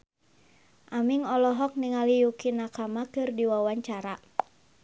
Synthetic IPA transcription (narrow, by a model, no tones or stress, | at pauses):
ʔamiŋɔlɔɦɔk̚niŋalijukinakamakɨrdiwawaɲt͡ʃaɾa